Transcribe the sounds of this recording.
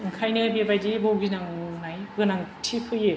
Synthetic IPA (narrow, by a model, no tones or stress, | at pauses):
ŋkʰajnɯbebajdibowɡinaŋnajɡɯnaŋtʰipʰɯje